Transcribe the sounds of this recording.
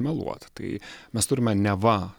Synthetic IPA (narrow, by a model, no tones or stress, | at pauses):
mʲɛlˠṵɔt̪t̪ɐɪmʲɛst̪ʊɾʲɪmʲɛnʲɛʋɐ